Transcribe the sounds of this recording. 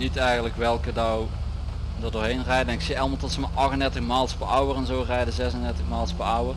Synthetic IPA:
nitɛjɣənləkʋɛlˠkədaw | dəɹdoːɹɦejnrɛjddɛnŋɪksiɑlˠmɑlˠtɔtsəmaʔɑxəndɛɹtəxmaːlˠspəɹɑwərɛnzoːrɛjdəzɛsəndɛɹtəxmaːlˠspəɹɑwər

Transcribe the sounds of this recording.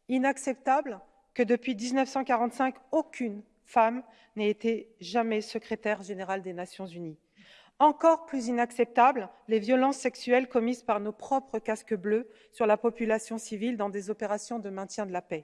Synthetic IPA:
inaksɛp̚t̪abl | kəd̪əpɥid̪iznœfsɑ̃kaʁɑ̃t̪sɛ̃kokʲʰyn | fam | neet̪eʒamɛsəkχet̪ɛʁʒeneʁald̪enasjɔ̃zyni | ɑ̃kɔʁplyzinaksɛp̚t̪abllevjɔlɑ̃sːɛksyɛlkɔmizpaʁnopχɔpχəkaskəblø | syʁlapɔpylasjɔ̃sivild̪ɑ̃d̪ezɔpeʁasjɔ̃d̪əmɛ̃t̪jɛ̃d̪əlapɛ

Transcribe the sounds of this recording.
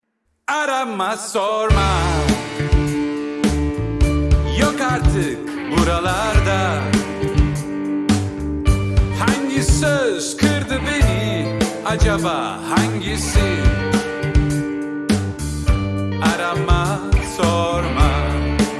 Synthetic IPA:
aɾamːasɔɾma | jɔkaɾt̪ʰɨk | luɾalaɾd̪a | haŋɡisəskʰɨɾd̪ɨbeni | ad͡ʒaba | haŋɡisi | aɾamasɔɾma

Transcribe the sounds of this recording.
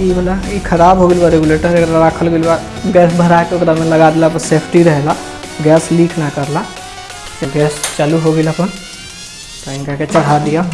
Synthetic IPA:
ibolaikʰɐɾaːbɦoɡəlbaɾeɡuleːʈəɾɐɡəɾɾaːkʰəlɡɪlbaɡɛːsbʱəɾaet̪okɾamẽlɐɡad̪elapəseːpʰʈiɾəɦla | ɡɛːsliːkʰnakəɾla | d͡ʒəɡɛːst͡ʃaːluɦoɡəlɐpən | t̪oɪnkaket͡ʃɐɽ̤ad̪ija

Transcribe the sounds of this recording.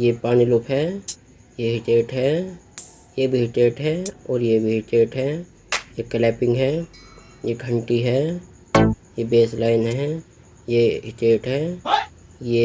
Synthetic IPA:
jepaːnilʊpʰɦɛ | jeɦɪʈeːʈɦɛː | jebʱiɦɪʈeːʈɦɛɔːɾjebʱiɦɪʈeːʈɦɛː | jeklɛːpɪ̃ŋɡɦɛ | jekʰə̃ɳʈiɦɛː | jebeːslaːɪnɦɛ | jeɦɪʈeːʈɦɛː | je

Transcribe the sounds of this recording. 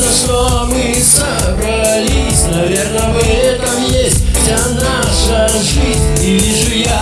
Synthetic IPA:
nɐʂt̪omɨ | sɐ | bɾɐ | lʲisʲnɐvʲernəvɛt̪əmjesʲtʲfsʲana | ʂə | ʐɨzʲnʲivʲiʐɨja

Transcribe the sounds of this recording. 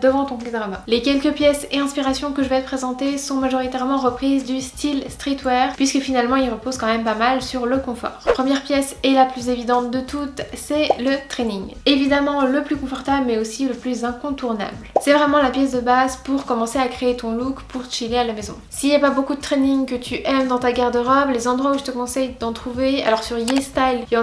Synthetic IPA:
d̪əvɑ̃t̪ɔ̃plid̪ʁama̰lekʲɛlkəpjɛseɛ̃spiʁasjɔ̃kəʒəvɛt̪əpχezɑ̃t̪esɔ̃maʒɔʁit̪ɛʁmɑ̃ʁəpχizd̪yst̪ʰilst̪χit̪wɛʁpɥiskəfinalmɑ̃ilʁəpozkɑ̃mɛmpamalsyʁləkɔ̃fɔ̰ːʁpχəmjɛʁpjɛsɛlaplyzevid̪ɑ̃t̪̚d̪ət̪ut̪sɛlət̪χɛniŋevid̪amɑ̃ləplykɔ̃fɔʁt̪abləmɛosiləplyzɛ̃kɔ̃t̪uʁna̰blsɛvʁɛmɑ̃lapjɛs̬d̪əbazpuʁkɔmɑ̃seakχeːt̪ɔ̃lukpuʁt̪əʃilealamezɔ̰̃siljapabokud̪ət̪χɛniŋkət̪ʰyʔɛmd̪ɑ̃t̪aɡɛʁd̪əʁɔblezɑ̃d̪ʁwauʒət̪əkɔ̃sɛjd̪ɑ̃t̪χuvea̰lɔʁsyʁjest̪ajlɔ

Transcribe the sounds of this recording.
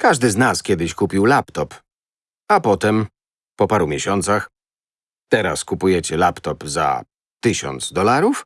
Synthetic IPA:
kaʐd̪ɘznaskʲɛd̪ɘɕkupʲiwlapt̪ɔp | apɔt̪ɛm | pɔpaɾumʲjeɕɔnt̪sax | t̪ɛɾaskupujɛt͡ɕɛlapt̪ɔpza̰ | t̪ɘɕɔ̰nd̪zd̪ɔlaɾuf

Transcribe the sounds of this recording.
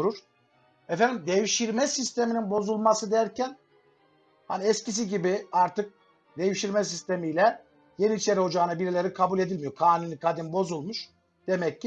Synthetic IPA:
ɾuɾ̥ | ɛfænd̪imd̪ejiʃiɾmɛsist̪ʰe̞mininbo̞zulˠmasɯd̪æɾcʰæn | ha̰niɛscis̬iɟibiaɾt̪ʰɯk̚ | d̪e̞jiʃiɾmɛs̬ist̪ʰe̞mijlʲɛ | je̞niːt͡ʃʰe̞ɾiɦo̞d͡ʒaːnabiɾelʲe̞ɾikʰabulʲe̞d̪ilʲmijo̞ɾkʰaːnunikʰad̪inbo̞zulˠmuʃ | d̪e̞mɛcːi

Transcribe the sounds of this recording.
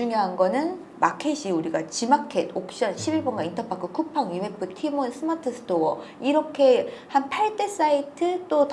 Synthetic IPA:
uŋjoɦanɡʌnɯn | makʰeɕʰiuɾiɡat͡ɕimakʰedok̚ɕ͈ʌnɕʰibiɭbʌnɡaintʰʌpʰakʰɯkʰupʰaŋjimepʰɯtʰimonsʰɯmatʰɯsʰɯ̥tʰoɡ | iɾʌkʰe̞hanpʰaɭt͈e̞s͈aitʰɯt͈ot

